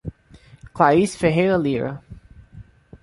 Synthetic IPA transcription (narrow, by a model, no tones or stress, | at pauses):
klaisfeɦejɾɐliɾɐ̰